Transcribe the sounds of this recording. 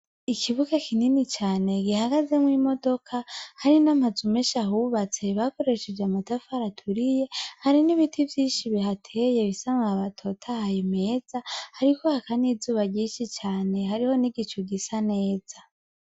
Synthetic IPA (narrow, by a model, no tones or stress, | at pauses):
ikʰiβuɡakʰininit͡ʃaːne̞ɡihaɡaze̞mwiːmo̞do̞kʰahaɾinamazumeʃahuβat͡se̞βako̞ɾe̞ʃed͡ʒamatafaɾatʰuɾije̞haɾiniβitʰivjiːnʃiβihatʰeje̞βisamŋaaβatʰo̞tʰahajime̞ːz̥ahaɾiko̞hakanizuːβaɟiːʃit͡ʃaːne̞haɾiho̞niɡit͡ʃuɡisane̞ːz̥a